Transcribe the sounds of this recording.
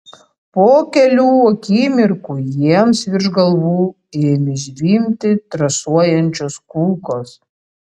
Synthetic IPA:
poːkʲɛlʲuːɔːkʲiːmʲɪɾkujiɛmsʋʲɪɾʒɡɐlˠʋuː | mʲɪʒʲʋʲiːmʲt̪ʲɪt̪ɾɐsuɔjɛnʲt͡ʃʲoːskuːkoːs

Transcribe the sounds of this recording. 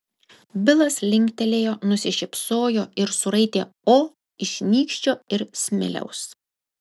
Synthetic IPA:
bʲɪlˠɐslʲɪŋʲˑkʲt̪ʲɛlʲeːjoːnʊsʲɪʃʲɪpsoːjoːɪɾsʊɾɐɪt̪ʲeːoː | ɪʃʲnʲiːkʃʲt͡ʃʲoːɪɾsʲmʲɪ̰lʲɛ̰ʊs

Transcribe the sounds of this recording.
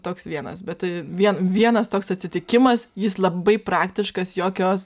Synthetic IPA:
t̪oːksʋʲiɛnɐ̰sbʲɛtt̪ɐɪʋʲiɛnʋʲiɛnɐst̪oːksɐtʲsʲɪt̪ʲɪkʲɪmɐsjɪslˠɐbɐɪpɾɑːkt̪ʲɪʃkɐsjoːkʲoːs

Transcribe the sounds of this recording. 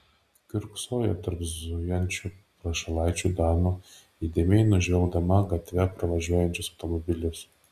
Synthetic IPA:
kʲʊɾksojɛt̪ɐɾbzujɛnʲt͡ʃʲʊpɾɐʃɐlˠɑjt͡ʃʲud̪ɑnu | id̪ʲemʲejnʊʒʲʋʲɛlˠɡd̪ɐmɐɡɐt̪ʲʋʲɛpɾɐʋɐʒʲuɔjɛnʲt͡ʃʲʊsɐʊt̪omɔbʲɪlʲʊs

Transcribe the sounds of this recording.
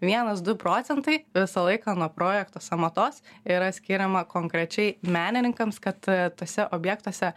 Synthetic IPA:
ʋʲiɛnɐsd̪ʊpɾoːt̪sʲɛnt̪ɐɪʋʲɪsɐlˠɐɪkɐnuɔpɾoːjɛkt̪oːsɐmɐt̪oːsiɾɐsʲkʲɪɾʲɛmɐkoːŋkɾʲɛt͡ʃʲɛɪmʲæːnʲɪnʲɪŋkɐmskɐt̪t̪oːsʲɛʔoːbʲjɛk̚t̪oɔsʲɛ

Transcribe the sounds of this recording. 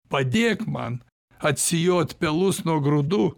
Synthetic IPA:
pɐd̪ʲeːkmɐ̰n | ɐt̪ʲsʲɪjoːt̪ʲpʲɛlˠʊsnuɔɡɾʊd̪uː

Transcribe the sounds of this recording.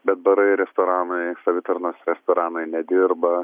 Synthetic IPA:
bʲɛt̪̚bɐɾɐɪɾʲɛst̪oːɾɑːnɐɪsɐʋʲɪt̪ɐɾnoːsɾʲɛst̪oːɾɑːnɐɪnʲɛd̪ʲɪɾbɐ

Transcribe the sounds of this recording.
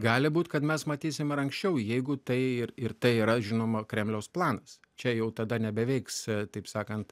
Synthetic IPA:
ɡɑːlʲɪbuːt̪kɐt̪mʲɛsmɐt̪ʲiːsʲɪmɪɾɐŋksʲt͡ʃʲɛʊjɛɪɡʊt̪ɐɪɪɾɪɾt̪ɐɪiːɾɐʒʲɪnoːmɐkɾʲɛmʲlʲɛʊsplˠɑːnɐs | t͡ʃʲɛjɛʊt̪ɐd̪ɐnʲɛbʲɛʋʲɛɪkst̪ɐɪpsɑːkɐnt̪

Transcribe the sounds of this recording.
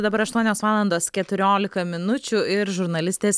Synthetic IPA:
d̪ɐbɐɾɐʃt̪uɔnʲoːsʋɑːlˠɐnd̪oːskʲɛt̪ʊɾʲoːlʲɪkɐmʲɪnʊt͡ʃʲʊɪɾʒʊɾnɐlʲɪsʲt̪ʲeːs

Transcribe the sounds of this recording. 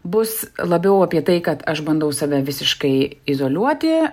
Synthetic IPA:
bʊslˠɐbʲɛʊɐpʲiɛt̪ɐɪkɐt̪ɐʃbɐnd̪ɐʊsɑʋʲɛʋʲɪsʲɪʃkɐɪɪzoːlʲuɔt̪ʲɪ

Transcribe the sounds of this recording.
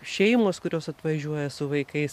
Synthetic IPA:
ʃʲɛɪmoːskʊɾʲoːsɐt̪ʋɐʒʲuɔjɛsʊʋɐɪkɐɪs

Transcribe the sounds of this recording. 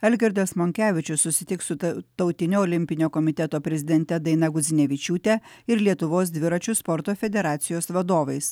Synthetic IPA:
ɛlʲɡʲɛɾʲd̪ʲɐsmɔŋʲkʲæːʋʲɪt͡ʃʲʊsːʊsʲɪt̪ʲɪksʊt̪ɒʊt̪ʲɪnʲoːɔːlʲɪmʲpʲɪnʲoːkɔmʲɪt̪ʲɛt̪oːpʲɾʲɛzʲɪd̪ʲɛnʲt̪ʲɛd̪ɐɪnɐɡʊzʲɪnʲɛʋʲɪt͡ʃʲuːt̪ʲɛ | ɪɾlʲiɛt̪ʊʋoːs̬d̪ʲʋʲɪɾɐt͡ʃʲʊspɔɾt̪oːfʲɛd̪ʲɛɾɑːt̪sʲɪjoːsʋɐd̪oːʋɐɪs

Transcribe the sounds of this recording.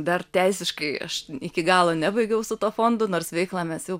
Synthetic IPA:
d̪ɐrt̪ʲɛɪsʲɪʃkɐɪɐ̰ʃɪkʲɪɡɑːlˠoːnʲɛbɐɪɡʲɛʊsʊt̪oːfoːnd̪ʊnoːrsʋʲɛɪklˠɑːmʲɛsjɛʊ

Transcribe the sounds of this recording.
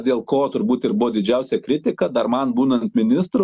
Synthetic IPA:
d̪ʲeːlˠkoːt̪ʊɾbuːt̪ɪɾbʊʋoːd̪ʲɪd͡ʒʲɛʊsʲɛkɾʲɪt̪ʲɪkɐd̪ɐrmɐnbuːnɐnt̪̚mʲɪnʲɪst̪ɾʊ

